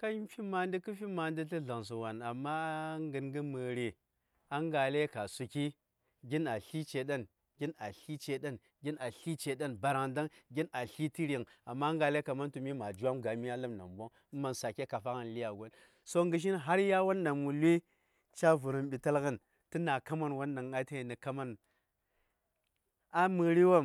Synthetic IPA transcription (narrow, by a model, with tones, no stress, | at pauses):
ka˦i˦fi˦ma˨ndi˦kɨ˦fi˦ma˨ndi˦ti˦ɮa˨ŋs̬u˨wa˨na˨mːa˦ŋɡə˨nŋɡɨ˦mə˨ɾi˨ | a˦ŋɡa˨le˦ka˨su˨ki˦ | ɡʲi˦na˨ɬi˦t͡ʃe˨ɗa˦n | ɡʲi˦na˨ɬi˦t͡ʃe˨ɗa˦n | ɡʲi˦na˨ɬi˦t͡ʃe˨ɗa˦nba˨ɾa˨ŋda˦ŋɡʲi˦na˨ɬi˦ti˦ɾi˨ŋa˨mːa˦ŋɡa˨le˦ka˨ma˦ntu˨mi˦ma˨d͡ʒu˦wa˦mɡa˨mi˦a˦lə˦mna̰˨mbo˦ŋ˦ma˨nsa˨ke˦ka˨fa˦kə˨nli˦ja˨ɡo˦n | so˦ŋɡɨ˨ʃ̬i˦nɦa˦ɾja˦wa˦nːa˨mwu˨lwi˦ | t͡ʃa˦vu˨ɾə˨mɓi˨ta˦lɣə˦n | ti˦na˨ka˦ma˦nwa˦nːa˨ŋa˦ta˦i˨ni˨ka˦ma˦n | a˦mɨ˨ɾi˦wa˦m